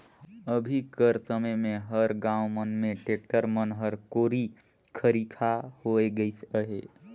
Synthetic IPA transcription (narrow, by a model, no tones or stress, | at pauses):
əbʱikəɾsəməjmeɦəɾɡãumənmeʈek̚ʈəɾmənɦəɾkoɾi | kʰəɾikʰahoeɡəjt͡ʃəɦe